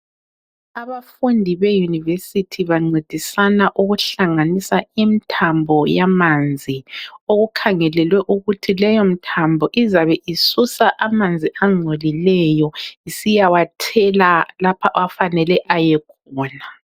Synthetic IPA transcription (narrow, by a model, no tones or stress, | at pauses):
aβafundʱiβejunivesitʰiβaŋ͡ǀed̥ʱisanaʔuɣuɬaŋanisaimitʰambʱɔjamand͡zʱioɣukʰaŋɛlɛlwɛʔuɣutʰilɛjom̩tʰambʱɔʔizaβɛʔisusaʔamand͡zʱiʔaŋ͡ǀʱolilɛjɔisijawatʰɛlalapʰaʔwafanɛlɛʔajɛkʰɔːna